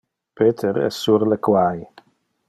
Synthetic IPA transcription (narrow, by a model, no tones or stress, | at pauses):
peːt̪ʰɛɾɛ̰sːuɾləkwaj